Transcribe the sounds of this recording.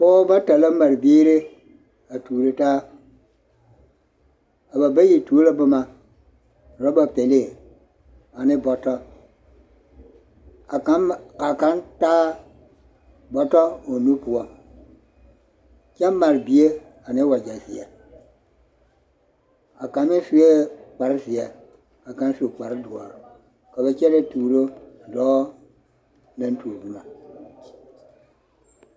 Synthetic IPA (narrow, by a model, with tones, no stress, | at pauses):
kɔ˦ba˦ta˨la˦ma˨ɾbiː˦ɾe˦ | a˨tuː˨ɾe˨ta˦ | a˨ba˨ba˦ji˨tu˨˦la˦ba˨ma˨ | ɾɔ˦ba˨pe˨le˦˨ | a˨nɪ˦bɔ˨tɔ˦˨˦ | a˨ka˨˦ntaː˦ | bɔ˨tɔ˦o˨nu˦pu˨ɔ˨ | t͡ʃɛ˦m˦ma˨ɾbi˨e˦ | a˨ne˦wa˨d͡ʒa˨zḭ˨a̰˨ | a˨ka˨mi˦si˦e˦k͡pa˨ɾzi˨ɛ˨ | a˨kã˦n˦su˨e˨k͡pa˨ɾdu˨ɔ˨ɾ | ka˨be˦t͡ʃɛ˦ɾe˦tuː˨ɾo˦˨dɔː˨˦ | nɛ̃˦n˦tu˨bu˦ma˨